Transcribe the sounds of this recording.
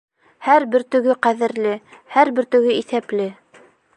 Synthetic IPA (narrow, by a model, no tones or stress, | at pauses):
hæɾbɘɾt̪ɵ̆ɡɘqæðɘ̆ɾlɘhæɾbɘ̆ɾt̪ɵ̆ɡɘiθæplɘ